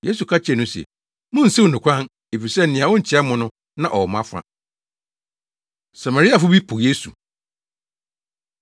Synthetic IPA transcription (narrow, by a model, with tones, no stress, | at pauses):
je˦su˨kʰa˦t͡ɕʰɛ˨nʊ̃˦sɛ̰˨ | mʊ̃˦n̩˨si˦˨nʊ̃˨kʷʰã˦n | e˨fi˨sɛ˦n̩˨ɪ̃˨ã˨wɔ̃˦˨t͡ɕʰɪ˨˦ɛ˦mʊ̃˦nʊ̃˦ | nã˦ʔɔ˨mã˦fa̰˦ | sa˨ma˨ɾi˦a˨fʊ˦bi˦pʰʊ˨je˦sṵ˨